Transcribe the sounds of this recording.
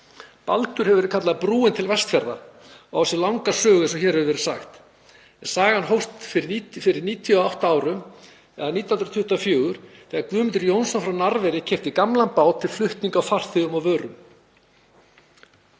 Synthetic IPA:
palt̪ʏɾ̥hɛvʏvɛɾkʰat̪laðpɾuːɪnt̪ʰɪlvɛst̪fjɛɾða̰ | ɔsɛlawŋkasœːɣʏsɛmçɛɾhɛvɪvɛɾɪ̥saxt̪ | ɛsaːɣahanɦowst̪fɪɾɪnifɪɾɪɾniːt̪ʰijɔawht̪aaːwɾʏm | ɛðaɾniːt̪jawhnɾt̪ʰʏht̪afjœːɣʏɾ̥θɛːɣaɾkvʏːmɪnt̪ʏɾjownsɔnfɾawnaɾvɛɾɪcʰɛft̪ɪkamlanpaːwt̪ʰːɪlflʏht̪niŋkawfar̥θʏɣʏmavœːɾʏm

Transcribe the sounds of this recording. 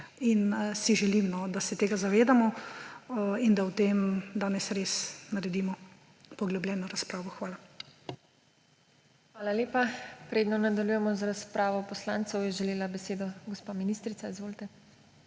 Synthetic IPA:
insiʒɛlimnɔd̪asɛt̪eːɡazaʋeːd̪amɔ | ind̪awt̪eːmd̪aːnɛsɾeːsnaɾɛd̪iːmɔ | pɔɡlɔblʲjɛːnɔɾaspɾaːʋɔxʋaːla | xʋaːlaleːpapɾeːd̪nɔnad̪aljujɛmɔzaɾaspɾaːʋɔpɔslaːntsɔwjɛʒɛleːlabɛseːd̪ɔɡɔspaːminist̪ɾit̪saizʋoːlt̪ɛ

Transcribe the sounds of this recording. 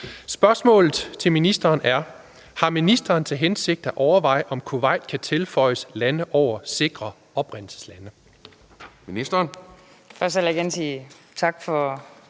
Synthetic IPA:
sb̥ɶɐsmɔ̰̽ːlð̩ˠt͡sʰe̝lminisd̥ɐːnæɐ | hɑ̈minisd̥ɐːnt͡sʰe̝lɦense̝ɡ̥̚d̥æʔɒʊɐʋɑ̈ɪ̰ʔɒ̽mkʰo̝ʋɑ̈ɪ̰d̥kʰæt͡sʰe̝lfɒ̽ɪəslænəʔɒʊ̰ɐse̝ɡ̥ʁɐ | ɒ̽b̥ʁɛn̰l̩sə̥slænə | minisd̥ɐːn | fɶselɡensiː | t͡sʰɑ̈ɡ̥fɒ

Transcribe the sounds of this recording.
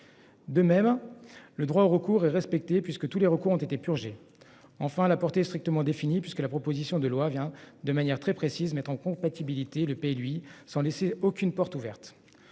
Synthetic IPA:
d̪əmɛmləd̪ʁwaoʁəkuʁɛʁɛspɛk̚t̪epɥiskət̪uleʁəkuʁɔ̃t̪et̪epyʁʒe | ɑ̃fɛ̃lapɔʁt̪eɛst̪χik̚t̪əmɑ̃d̪efinipɥiskəlapχɔpozisjɔ̃d̪əlwavjɛ̃d̪əmanjɛʁt̪χɛpχesizmɛt̪χɑ̃kɔ̃pat̪ibilit̪eləpelɥisɑ̃leseokʲynpɔʁt̪uvɛʁt̪

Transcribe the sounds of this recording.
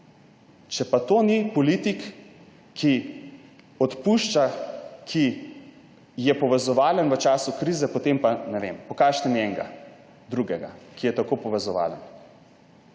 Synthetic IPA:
t͡ʃɛpat̪onipɔlit̪ikːʰ | i | ɔt̪puʃt͡ʃakʰi | jɛpɔʋɛzɔʋaːlənʋət͡ʃaːsukɾizɛpot̪empanɛʋḛmpɔkaːʃt̪ɛnjɛŋɡa̰ | d̪ɾuɡɛɡa̰kijɛt̪akopɔʋɛzɔʋa̰ːlən

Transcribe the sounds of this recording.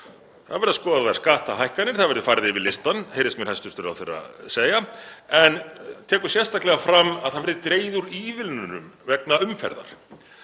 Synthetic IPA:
θaðvɛɾðaskɔːðavaɾ̥skaːht̪aɦajhkanɪɾ̥θaðvɛɾðʏfaːjɾðɪvɪðlɪst̪anhejɾɪsmjɛɾhast̪ʏst̪ʏɾa̰wθejra̰seːjaɛnt̪ʰɛːkʏ̥sjɛ̥st̪ahklɛɣafɾamːaðθaðvɛɾðɪt̪ɾeːjðʏɾiːvɪlnʏnʏ̰mvɛknaʏmfɛ̰ɾða̰ɾ̥

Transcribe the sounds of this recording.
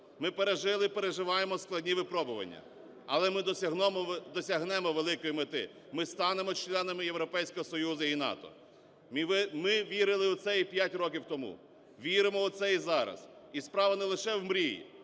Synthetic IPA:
mɪpeɾeʒɪlˠɪpeɾeʒɪʋɑjemɔsklˠɐdʲnʲiʋɪpɾɔbʊʋɐ̰nʲːɐ̰ | ɐ̰lˠɛmɪd̪ɔsʲɐɦ̪ɔmɔd̪ɔsʲɐɦnɛmɔʋelˠɪkɔjimet̪ɪ̰ | mɪst̪ɑnemɔt͡ʃlʲˠɛnɐmɪjewɾɔpɛjsʲkɔɦɔsɔjuzɐinɑ̰t̪ɔ̰ | mmɪʋʲiɾɪlˠɪwt̪sɛipʲjatʲɾɔk̬ʲiwt̪ɔmṵ | ʋʲiɾɪmɔwt̪sɛizɑɾɐ̰sispɾɑʋɐnɛlˠɪʃɛwmɾʲiḭ

